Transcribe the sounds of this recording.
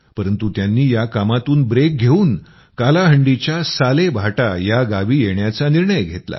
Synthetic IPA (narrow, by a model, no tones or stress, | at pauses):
pəɾənt̪ut̪janːiːjakamat̪uːnbɾek̚ɡʱeuːn | kalaɦəɳɖit͡ɕjasalebʱaʈajaɡaʋiːjeɳjat͡saniɾɳəjɡʱet̪la̰